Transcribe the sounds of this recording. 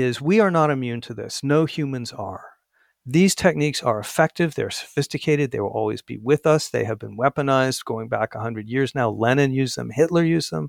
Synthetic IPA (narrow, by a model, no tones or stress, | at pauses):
ɪzwiə˞nəɾɨmjʉ̃ntʰɨðɪ̰snoʊhjʉmɨ̃nzə̰˞ | ðiz̥tʰɛk̚niksə˞əfɛk̚tɨvðeə˞sə̥fɪstɨkʰeɪɾɨd̪̚ðeɪwəlˠɔ̰lˠwḭzbḭwɪðʌsðeɪɨvbɨ̃nwɛpənaɪzɡ̥oʊɪ̃ŋbækəɦʌ̃ndɹɨdjɪɹznaʊlɛnɨ̃njʉzðə̰̃mhɪtˡlə˞jʉzðə̰̃m